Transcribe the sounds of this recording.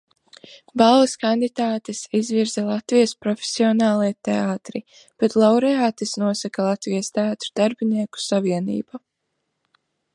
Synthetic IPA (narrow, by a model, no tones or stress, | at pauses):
balˠliskand̪it̪aːt̪esizviɾzɛlˠat̪vijɐspɾɔfe̥siɔnaːlˠijt̪eaːt̪ɾi | b̥et̪lˠawɾɛaːt̪esnuɔsakalˠat̪vijɐst̪eaːt̪ɾud̪aɾbiniɛku̥saviɛnḭːba